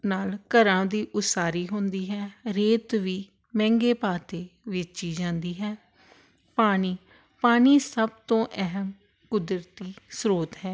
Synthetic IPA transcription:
naːlkəɾãːd̪iːʔʊsaːɾiːɦʊnd̪iːɦɛːɾeːt̪ʋiː | mɛ̃ːŋɡeːpaːt̪eːʋɪt͡ʃiːd͡ʒãːnd̪iːɦɛː | paːɽ̃iː | paːñiːsəbt̪õːʔɛɦəm | kʊd̪ɾət̪iːsɾoːt̪ɦɛː

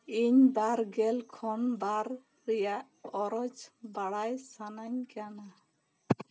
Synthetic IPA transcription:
iɲbaɾɡɛlkʰɔnbaɾː | ɛjaʔ | ɔɾɔd͡ʒbaɽajsanaɲkana

